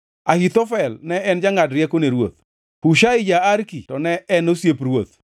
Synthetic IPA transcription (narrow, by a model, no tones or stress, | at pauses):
ahit̪ɔfɛlnɛɛnd͡ʒaŋadɾjakoneɾwot̪̚ | puʃaɪd͡ʒaaɾkitɔnɛɛnosjepɾwot̪